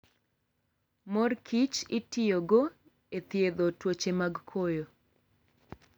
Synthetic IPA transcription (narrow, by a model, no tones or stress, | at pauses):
mɔrkʰit͡ʃɪtɪjoɡo | et̪jed̪otwot͡ʃemaɡkʰojo